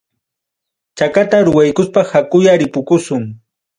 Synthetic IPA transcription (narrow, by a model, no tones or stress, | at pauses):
t͡ʃakat̪aɾʊwajkʊspahakʊjaɾɪpʊkʊsʊŋ